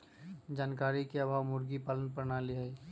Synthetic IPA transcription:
d͡ʒaːnkaɾikeabʱaːʋmʊɾɡipalənpəɾnalia

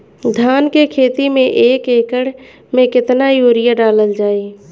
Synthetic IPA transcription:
d̪ʱjaːnkekʰeːt̪imẽʔeːkeːkəɽ | mẽkɪt̪najuːɾɪjaɖaːləld͡ʒaːeː

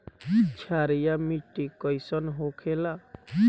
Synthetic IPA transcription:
t͡ʃʰaɾijamiʈːikəjsənɦokʰela

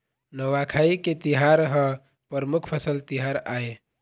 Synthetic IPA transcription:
nəwakʰaiket̪iɦaɾɦə̃ | pəɾmukʰpʰəsəlt̪iɦaɾae

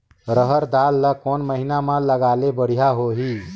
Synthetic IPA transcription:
ɾəɦəɾd̪alːəkonməɦinamãləɡalebəɽ̤ijaɦoɦi

